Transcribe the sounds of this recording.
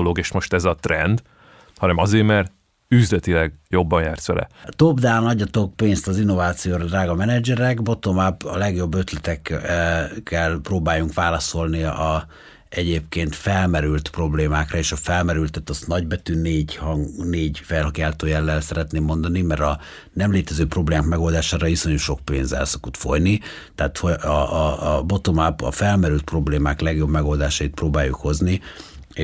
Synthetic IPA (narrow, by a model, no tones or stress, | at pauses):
loɡeːʃmo̞ʃt̪ɛzɒt̪rɛnd̪ | hɒnɛmɒzeːrmɛrt̪ | yzlɛt̪ilɛɡjo̞bːɒnjaːrt̪sʋɛ̰lʔɛ̰t̪o̞bd̪aːnɒɟːɒt̪o̞k̚peːnst̪ɒzinːo̞vaːt̪sijoːɾɒd̪raːɡɒmɛnɛd͡ʒɛɾɛkbo̞t̪omabɒlɛɡjo̞bːø̞t̪lɛt̪ɛk | kːɛlproːbaːjuŋkʋaːlɒso̞lniɒ | ɛɟeːpkeːnt̪fɛlmɛɾylt̪pro̞bleːmaːkrɒeːʃɒfɛlmɛɾylt̪ːɛt̪ɒst̪nɒɟbɛt̪yneːɟhɒŋneːɟfɛlɦɒɡjaːlt̪oːjɛlːɛlsɛɾɛt̪neːmːo̞nd̪ɒnimɛɾɒ | nɛmleːt̪ɛzøːpro̞bleːmaːkmɛɡo̞ld̪aːʃaːɾɒjisoɲuʃo̞k̚peːnzɛ̰lso̞kut̪fo̞̰jni | t̪ɛaːt̪hoɒbo̞t̪omapɒ̰fɛlmɛɾylt̪̚pro̞bleːmaːklɛɡjo̞bmɛɡo̞ld̪aːʃɒjit̪̚proːbaːjukho̞znie